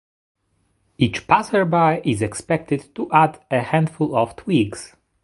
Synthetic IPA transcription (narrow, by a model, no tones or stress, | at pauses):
it͡ʃpasəɹbajʔizɛkspɛk̚t̪ɪd̪t̪uʔadəhæ̃nd̪fulɔft̪ʰwiɡs